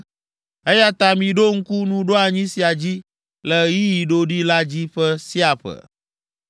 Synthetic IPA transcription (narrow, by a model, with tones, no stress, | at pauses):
e˦ja˦t̪a˨mĩ˨ɖo˦ŋ̩˦ku˦nũ˦ɖo˦a˨ɲĩ˦si˨a˨d͡ʑi˦ | lə˨ji˦ji˨ɖo˦ɖi˦la˦d͡ʑi˦ɸə˦si˦a˨ɸə̰˨